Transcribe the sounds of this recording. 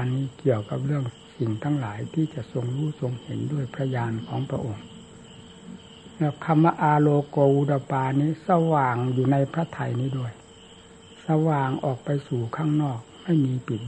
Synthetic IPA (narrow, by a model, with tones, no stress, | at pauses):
niː˧˥˩ki˨˩əwka˨˩p̚ɾɯ˥˩əŋ | si˨˩ŋt̪ʰaː˧˥˩ŋlaː˩˦jt̪ʰiː˧˥˩t͡ɕa˨˩ʔso˧ŋɾuː˧˥˩so˧ŋhe˨˦ndu˥˩əjpʰɾa˧jaː˧nkʰɔː˨˦ŋpʰɾa̰˧ʔo˧ŋ | lɛː˧˩kʰa˧mːa˧ʔaː˧loː˧koː˧wu˧da˧˩wpaː˧niː˧˥˩sa˧waː˨˩ŋjuː˨˩na˧jpʰɾa˦˧˥t̪ʰa˧jniː˧˩du˥˩əj | sa˧waː˨˩ŋʔɔː˨˩k̚pa˧jsuː˨˩kʰaː˥˩ŋnɔː˧˥˩k̚ma˥˩jmiː˧pi˨˩t̪̚